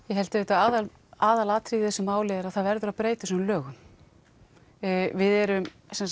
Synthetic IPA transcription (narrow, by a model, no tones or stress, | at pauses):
jɛɦɛlt̪ɪvɛːt̪aaːðal | aːðalaːt̪ʰɾiðθɛsɪmaːwlɛːðɪɾaðθaðvɛɾðʏɾaðpɾeːjt̪ɪsɔnlœːɣʏm | vɪðɛɾʏm | sɛns